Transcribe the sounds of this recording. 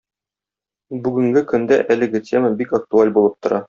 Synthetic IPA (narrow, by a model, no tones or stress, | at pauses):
bʉɡɘ̆ŋɡɘkɵ̆nd̪æ̰ʔælɘ̆ɡɘt̪ʲʰe̞mabikɐk̚t̪ualʲbulˠɤp̚t̪ŏɾʔɑ